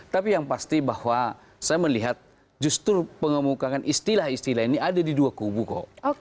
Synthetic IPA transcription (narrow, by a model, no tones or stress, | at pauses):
t̪apijaŋpast̪ibahwa | sajaməliɦat̪̚ | d͡ʒust̪ʊrpəŋəmukakanʔist̪ilahist̪ilaɦiniadadiduakubuko̰